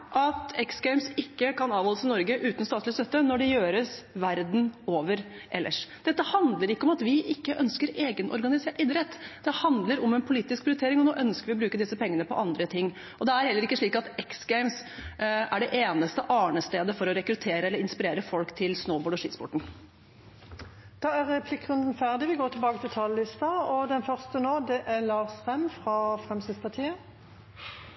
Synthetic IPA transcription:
ʔɑt̪ɛksɡæɪmsɪkːəkɑnɑːʋɔlːəsɪnɔɾɡəʔʉːt̪n̩st̪ɑːt̪lɪst̪œt̪ːənɔɖɛjøːɾəsʋæɾd̪n̩oːʋəɾ | ʔɛlːʔə̰ʂd̪̥ɛt̪ːəhɑnd̪ləɾɪkːəɔmɑt̪ʋɪʔɪkːəʔœnskəɾeːɡənʔɔ̰ɾɡɑnɪseːʈɪd̪ɾɛt̪ːd̪ɛhɑnd̪ləɾɔmɛnpʰʊliːt̪ːɪsk̚pʰɾɪʊɾʏt̪eːɾɪŋɔnoːʔœnskəɾʋɪɔbɾʉːkəd̪ɪsːəpɛŋːənəpɔ̰ʔɑnd̪ɾət̪ʰɪŋː | ʔɔd̪ɛæɾhɛlːəɾɪkːəʂɭiːkɑt̪ɛksɡæɪmsʔæɖɛʔeːnəst̪əʔɑːɳəst̪eːd̪əfɔɾɔɾɛkɾʉt̪ʰeːɾəɛlːəɾɪnspɪɾeːɾəfɔlkt̪ʰɪlsnəʊboːɖɔʂiːt̪spɔ̰ʈɳ̩ | d̪̥ɑːæʁɛpʰlɪkːʁʉnd̪n̩fæʁd̪ɪʋɪlɡoːt̪ɪlbɑːɡət̪ʰɪlt̪ʰɑːləlɪst̪ɑɔd̪ɛnfœʁst̪ənoːd̪ɛʔæʁlɑːsfɛmfʁɑfʁɛmsɪd̪spɑʁt̪ʰiːə

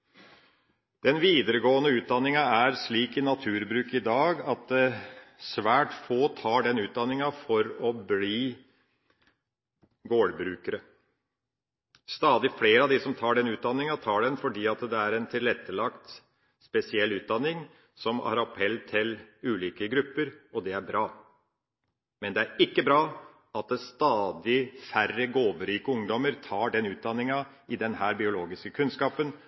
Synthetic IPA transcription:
d̪̥ɛnʋiːd̪əɾəɡoːənəʉːt̪̚d̪ɑnːɪŋɑæɾsɭiːkɪnɑt̪ʰʉːɾbɾʉːkɪd̪ɑːɡɑt̪̚d̪ɛsʋæːʈfoːt̪ʰɑːɖɛnʉːt̪̚d̪ɑnːɪŋɑfɔɾɔbliː | ɡoːɽbɾʉːkəɾə | st̪ɑːd̪ɪfleːɾəɑʋd̪ɪsɔmt̪ʰɑːɖɛnʉːt̪̚d̪ɑnːɪŋɑt̪ʰɑːɖɛnfɔɖiːɑt̪d̪ɛæɾɛnt̪ʰɪlɾɛt̪ːəlɑkt̪ | spɛsɪɛlːʉːt̪̚d̪ɑnːɪŋ | sɔmɑ̰ɾɑpʰɛlːt̪ʰɪlʉːliːkəɡɾʉpːəɾɔd̪ɛæɾbɾɑː | mɛnd̪ɛæɾɪkːəbɾɑː | ɑt̪̚d̪ɛst̪ɑːd̪ɪfærəɡoːʋəɾiːkəʊŋd̪ɔməɾt̪ʰɑːɖɛnʉːt̪̚d̪ɑnːɪŋɑ | ɪd̪ɛnhæːɾbɪʊloːɡɪskəkʰʉnskɑːpən

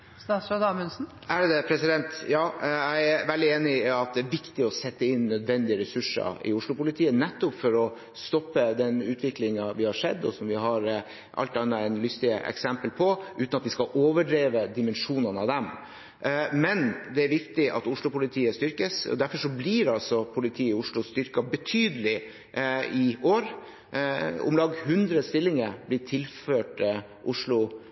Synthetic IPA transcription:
st̪ɑfɑd̪ɑːmənsn̩ | ʔæɖɛd̪ɛpʰɾɛsɪd̪ɛnt̪jɑːæɪæʋɛld̪ɪeːnɪɑt̪̚d̪ɛæɾʋɪkt̪ɪɔsɛt̪ːəɪnːœd̪ʋɛnd̪ɪəɾɛsʉʂːə̰ɾɪ̰ʊʂɭʊpʊlɪt̪ʰiːənɛt̪ːɔpfɔɾɔ | st̪ɔpːəd̪ɛnʉːt̪ʰʋɪklɪŋɑʋɪhɑʂɛd̪ːɔ̰sɔmʋɪɦɑɾ | ʔɑ̰lt̪ɑnːəæɪnlʏst̪ɪə̰ʔɛ̰ksɛmpəlpʰɔʔʉːt̪nɑt̪ʋɪskɑʔoːʋəɖɾeːʋəd̪ɪmənʂuːnənəɑʋd̪ɛm | mɛnd̪ɛæɾʋɪkt̪ɪʔɑ̰t̪ʊʂlʊpʊlɪt̪ʰiːəst̪ʏɾkəsɔ̰d̪æɾfɔʂɔbliɾɑlsɔpʰʊlɪt̪ʰiːʊʂɭʊst̪ʏɾkɑbət̪ʰyːd̪əlɪ | ɪoːɾ | ʊ̰mlɑːɡhʉnd̪ɾəst̪ɪlːɪŋəɾblɪʈʰɪlføːʈ | ʔʊʂlʊ

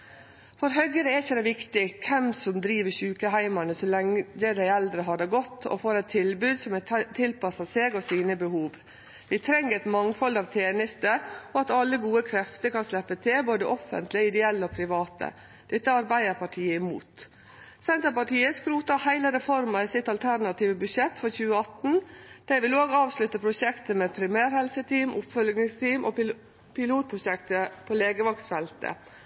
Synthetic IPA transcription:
fɔɾɦœɡəɾəɛɾɪçəd̪æʋɪkt̪ɪkʰːɛmsɔmd̪ɾiːʋəçʉːkəɦæɪmɑnəsɔlɛŋəd̪æɪɛld̪ɾəɦɑd̪əɡɔt̪ːɔ̰foːɾɛt̪ʰɪlbʉːd̪sɔmt̪ʰɪlpɑsɑseːɡɔsiːnəbəhuːʋ | ʋɪt̪ʰɾɛŋːəɾɛɪt̪mɑŋfɑld̪ɑːʋt̪ʰeːnəst̪əɔɑt̪ɑlːəɡuːəkʰɾɛft̪əɾkɑnslɛpːət̪ʰɪlboːd̪əʔɔfə̰nt̪lɪəɪd̪ɛɛlːəɔpʰɾɪʋɑːt̪ə̰ | d̪̥ɛt̪ːəɑɾbæɪəɾpɑʈʰiːəɪmuːt̪ | sɛnt̪əpɑʈiːəskɾuːt̪ɑhæɪləɾɛfɔɾmɑisɪt̪ɑlt̪ʰæɾnɑt̪iːʋəbʉʂɛt̪ːfɔçʉːəɑt̪n̩d̪̥æɪʋɪloːɡɑːʋslʉt̪ːəpʰɾʊʃɛkt̪əmɛpʰɾɪmæːɾhɛlsət̪ʰiːmʔʊpfœlɡnɪŋst̪ʰiːmʔɔ̰ | pɪluːt̪̚pʰɾʊʃɛkt̪əpʰoleːɡəʋɑksfɛlt̪ə̰

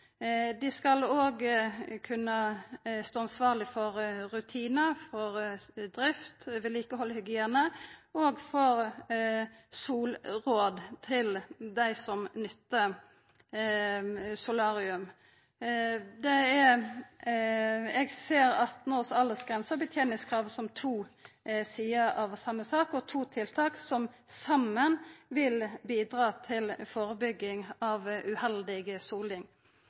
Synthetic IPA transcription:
d̪ɪskɑloːɡkʰʉnːəst̪oːɑnsʋɑːʁlɪfɔɾɾʉt̪ʰiːnəfɔɾd̪ɾɪft̪ʋɛliːkəhɔlːhʏɡɪeːnəoːɡfɔɾ | suːlɾoːd̪t̪ʰɪld̪æɪsɔmnʏt̪ːə | sʊlɑːɾɪʉm | d̪ɛɛ | ɛɡseːɾɑt̪nɔsɑlːəsɡʁɛnsəbət̪ʰjeːnɪŋskʰʁɑːʋsɔmt̪ʰuːsiːəɾɑʋsɑmːəsɑːkɔt̪ʰuːt̪ʰɪlt̪ʰɑːksɔm | sɑmːənʋɪlbiːd̪ɾɑːt̪ʰɪlfoːɾəbʏɡːɪŋɑʋʉhɛld̪ɪɡəsuːlɪŋ

